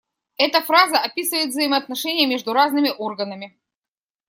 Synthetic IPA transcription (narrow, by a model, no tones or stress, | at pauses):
ɛt̪əfɾazəʔɐpʲisɨvəjɪt̪vzəɪməɐt̪nɐʂɛnʲɪjəmʲe̞ʐd̪ʊɾaznɨmʲɪʔorɡənəmʲɪ